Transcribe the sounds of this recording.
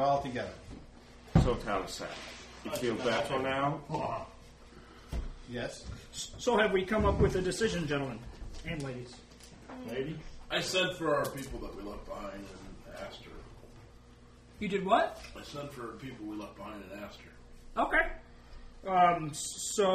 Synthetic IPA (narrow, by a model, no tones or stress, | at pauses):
aɪlˠtʰɪ̃ɡɛɾɨ | soʊtʰaʊɾɨsæ̰ | ɨ̥filˠbætə̃naʊ | jɛssoʊɨvwikʰʌ̃mʌpwɨðɨdɨsɪʒɨ̃nd͡ʒɛ̃ñl̩ˠmə̃næ̃nleɪɾiz̥ | leɪɾiʔaɪsɛ̃dfə˞ʊə˞pipl̩ˠðət̚wilʌk̚b̥əhãɪ̃ndɨ̃næstə̰˞ | jɨdɨd̚wʌt̚aɪsɛ̃d̥fə˞pʰipl̩ˠwilʌv̚b̥əhãɪ̃ndɨ̃næstə˞ | oʊkʰeɪ | ʌ̃msoʊ